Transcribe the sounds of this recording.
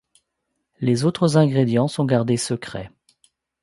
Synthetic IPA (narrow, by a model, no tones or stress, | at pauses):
lezot̪χəzɛ̃ɡʁed̪jɑ̃sɔ̃ɡaʁd̪esəkχɛ̰